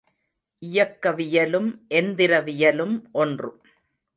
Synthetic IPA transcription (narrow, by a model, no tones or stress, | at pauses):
ʔɪjɐkːɐʋɪjɐlɯmʔɛnd̪ɪɾɐʋɪjɐlɯmʔɔndrɯ̰